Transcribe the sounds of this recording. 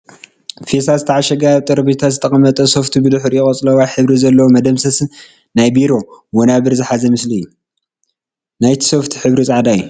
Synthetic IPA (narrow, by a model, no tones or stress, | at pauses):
fesazɨt̪ʰɐʕaʃɐɡajt̪ʼɨɾbit̪ʰazɨt̪ʰɐχʼɐmɐt̪ʼɐso̞ft̪ʰibɨd̪ɨħɾjɪχʼɐt͡sʼlɐwajħɨβɾizɐlːɐwomɐd̪ɐmsɐsɨn | najbiɾo̞wɔnaβɨɾzɨħazɐmɨslijːu | najt̪ʰi̥so̞ft̪ʰi̥ħɨβɾit͡sʼaʕd̪ajːu